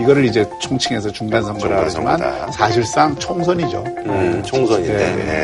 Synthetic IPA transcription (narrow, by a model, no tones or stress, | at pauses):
iɡʌɾɯɾid͡ʑe̞t͡ɕʰoŋt͡ɕʰiŋe̞sʰʌt͡ɕuŋɡansʰʌŋɡʌɾaɡad͡ʑimansʰaɕʰiɭs͈aŋt͡ɕʰoŋsʰʌɲid͡ʑo̰ | oŋsʰne̞ne